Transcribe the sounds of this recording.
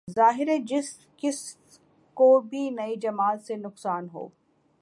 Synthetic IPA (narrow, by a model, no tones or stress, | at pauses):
zaːɦɪɾẽd͡ʒɪs | kɪs | kobʱinɐid͡ʒɐmaːt̪senʊqsaːnɦo̰ː